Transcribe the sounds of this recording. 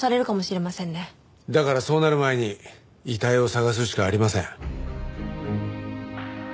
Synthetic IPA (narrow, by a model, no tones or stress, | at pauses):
saɾe̞ɾɯ̟kamo̞ɕiɾe̞masẽ̞nːe | d̪akaɾaso̞ːnaɾɯ̟mae̞ɲ̟i | it̪aio̞saɣas̬ɨɕi̥kaːɾʲimasẽ̞̰ŋ